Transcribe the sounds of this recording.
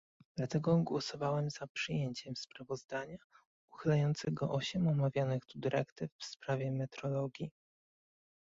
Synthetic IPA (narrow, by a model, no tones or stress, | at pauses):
d̪̥lat̪ɛɡɔɡwɔsɔvawɛmz̥apʂɘjeɲt͡ɕɛmspɾavɔzd̪aɲa | uxɘlɛjɔnt̪sɛɡɔʔɔɕɛmɔmavʲjanɘxt̪ud̪ɘɾʔɛkt̪ɘfːspɾavʲjɛmɛt̪ɾɔlɔɡʲji